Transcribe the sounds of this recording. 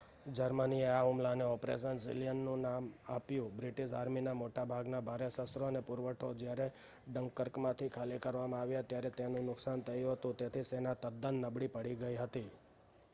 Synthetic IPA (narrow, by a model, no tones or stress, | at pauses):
d͡ʒəɾmənieaɦumlaneɔpɾḛʃ̬ənsḭlijənːũnamapjũbɾiʈiʃaɾminamoʈabʱaɡnabʱaɾesəsɾoənepʊɾʋəʈʰod͡ʒjaɾe | ɖəŋkːəɾkmãt̪ʰikʰalekəɾʋamãaʋjat̪jaɾet̪enũnʊksant̪ʰəjũɦət̪ũt̪et̪ʰisenat̪əd̪ənːəbɽipəɽiɡəiɦət̪i